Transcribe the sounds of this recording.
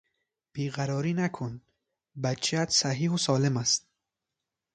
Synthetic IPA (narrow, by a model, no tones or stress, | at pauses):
b̥iːɣæɾɒːɾiːnækʰon | bæt͡ʃʰæt̪sæɦiːhusɒːlemæst̪̚